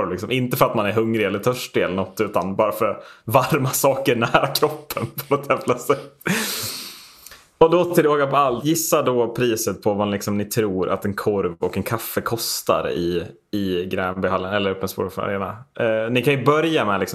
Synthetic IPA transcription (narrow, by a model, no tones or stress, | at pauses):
ɾlɪksɔmʔɪnt̪əfœɾat̪manæɾɦɵŋɾɪɛlːəɾt̪ʰœʂʈɪɛlːəɳɔt̪ːʉ̟ːt̪anbɑːɾafœɾvaɾmasɑːkəɳæːɾakʰɾɔpʰːənpʰɔnɔt̪jɛmlasɛt̪ː | ɔd̪ɔt̪ʰɪloːɡapɔalt̪jɪsːad̪ɔpʰɾiːsət̪̚pʰɔvalɪksɔmnɪt̪ʰɾuːɾʔa̰t̪ɛnkʰɔɾvɔkɛnkʰafːəkʰɔst̪a̰ɾ̰ɪ | ɪɡɾɛːnbɛhalːənɛlːəɾɵpːənspṵːɾfa̰ɾḛːnanɪkʰanjɵbœɾjamɛlɪksɔ